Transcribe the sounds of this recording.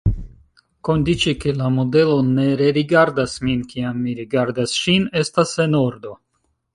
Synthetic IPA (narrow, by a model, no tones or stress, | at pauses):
ko̞ndit͡ʃike̞lamo̞de̞lo̞ne̞ɾe̞ɾiɡaɾdasminkiamːiɾiɡaɾdasʃine̞stase̞no̞ɾdo̞